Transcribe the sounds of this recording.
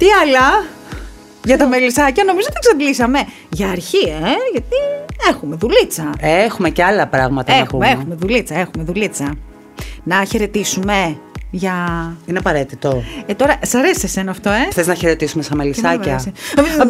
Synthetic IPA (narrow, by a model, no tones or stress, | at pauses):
t̪iɐlɐ | ʝɐt̪ɐmelisɐcɐno̞mizot̪iksɐdlisɐme̞ | ʝɐːɾçieʝɐt̪ie̞xume̞ðulit͡sɐeexumeceɐlɐpɾɐɣmɐt̪ɐepumeexume̞ðulit͡sɐe̞xume̞ðulit͡sɐ | nɐçe̞ɾe̞t̪isume̞ʝɐineɐpɐɾe̞t̪it̪ot̪o̞ɾɐʔsɐɾesese̞nɐːft̪o̞e̞θeznɐçeɾe̞t̪isumest̪ɐmelisɐcɐss